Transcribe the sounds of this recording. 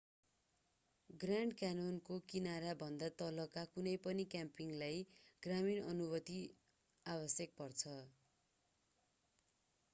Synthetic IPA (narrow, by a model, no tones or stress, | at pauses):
ɡraɳɖkanonkokinaɾabʱʌnd̪at̪ʌlʌkakunʌjpʌnikjampiŋlajɡ̥raminʌnubʌt̪i | abʌsjʌk̚pʌrt͡sʰʌ